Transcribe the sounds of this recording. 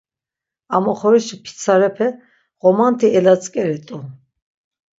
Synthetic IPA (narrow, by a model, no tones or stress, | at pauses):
amɔχɔɾiʃipʰi̥t͡sʰaɾɛpʰɛ | ɣɔmant̪ʰiɛlat͡sʼkʼɛɾɛt̪ʼu